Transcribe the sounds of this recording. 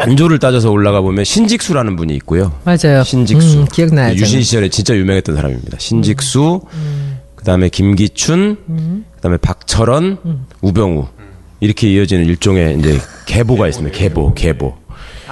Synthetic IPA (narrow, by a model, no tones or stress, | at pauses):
and͡ʑoɾɯɭt͈ad͡ʑʌs̬ʰʌoɭːaɣabomjʌnɕʰind͡ʑik̚s͈uɾanɯnbuɲiːk̚k͈ojomad͡ʑajoɕʰind͡ʑikss͈unajuɕ̬ʰinɕʰid͡ʑʰʌɾe̞t͡ɕint͡ɕ͈ajumjʌŋɦet͈ʌnsʰaɾa̰mḭmɲḭda̰ɕʰind͡ʑik̚s͈u | kɯdaɯme̞kimɡit͡ɕʰunkɯd̥ame̞pak̚t͡ɕʰʌɾʌnubjʌŋṵ | iɾʌkʰe̞iʌd͡ʑinɯniɭt͡ɕ͈oŋe̞ind͡ʑe̞̰ke̞boɡais͈ɯmidake̞bo̰ke̞bo̰